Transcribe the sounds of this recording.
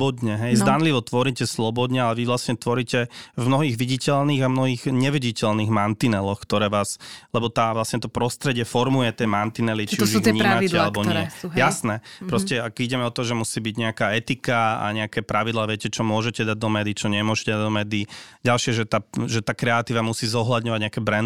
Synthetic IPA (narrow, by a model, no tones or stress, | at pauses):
bɔd̪ɲɛɦɛjzd̪anliʋɔt̪ʋɔɾicɛslɔbɔd̪ɲɛalɛʋiʋlasɲɛt̪ʋɔɾiːcɛvmnɔɦiːɣʋiɟicɛlniːɣamnɔɦiːɣɲɛʋiɟicɛlniːɣmant̪inɛlɔxkt̪ɔɾɛːʋaːslɛbɔt̪aːʋlasɲɛt̪ɔpɾɔst̪ɾɛɟɪɛfɔɾmujɛt̪ɪɛmant̪inɛlit͡ʃiuʒɲiːmaidcɛalɛbɔɲɪɛjasnɛːpɾɔscɛaɡiɟɛmɛɔt̪ɔʒɛmusiːbiɟɲɛakaːɛt̪ikaa̰ɲɛakɛːpɾaʋid̪laːʋɪɛcɛt͡ʃɔmʊɔʒɛcɛd̪aɟ̚d̪ɔmɛːd̪it͡ʃɔɲɛmʊɔʒɛcɛd̪ad̪ɔmɛːd̪iiɟalʃɪɛʒɛt̪aːʒɛt̪aːkɾɛat̪iːʋamusiːzɔɦlad̪ɲɔʋaɟɲɛakɛːbɾɛn